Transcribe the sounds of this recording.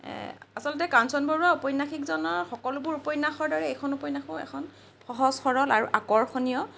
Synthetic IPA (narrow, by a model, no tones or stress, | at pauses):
asɔlɔtɛkansɔnboɹuaupɔjnːaxikzɔnɔɹxɔkɔlubʊɹupɔjnaxɔɹdɔɹɛejkʰɔnupɔjnaxɔ̃ɛ̰kʰɔn | xɔɦɔsxɔɹɔlaɹuʔakɔɹxʰonijɔ